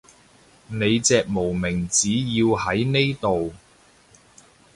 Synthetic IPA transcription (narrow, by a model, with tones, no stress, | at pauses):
ne˨˧jt͡sɛː˨k̚mo˨˩wmɪ˨˩ŋt͡siː˨˥jiː˧whɐ˨˥jne˥jt̪o˨w